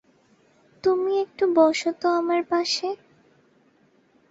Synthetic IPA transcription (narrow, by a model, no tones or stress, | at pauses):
t̪umiek̚ʈubɔʃot̪oamaɾpaʃe